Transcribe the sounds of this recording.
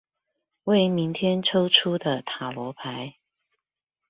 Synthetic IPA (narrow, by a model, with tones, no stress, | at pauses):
we˥˩ɪmi˧˥ŋt̪ʰjɛ˥nʈ͡ʂʰo˥ʊʈ͡ʂʰu˥d̪ə˨t̪ʰa˨˩lwɔ˧˥pʰa˧˦ɪ